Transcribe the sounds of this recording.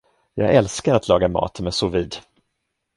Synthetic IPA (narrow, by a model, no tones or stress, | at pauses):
jɑːɡɛlskaɾat̪lɑːɡamɑ̰ːt̪mɛsʊviːd̪